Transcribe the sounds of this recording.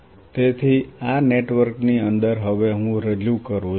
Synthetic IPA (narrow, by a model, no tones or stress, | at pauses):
t̪et̪ʰianeʈʋəɾkniənd̪əɾɦəʋeɦũɾeljukəɾũ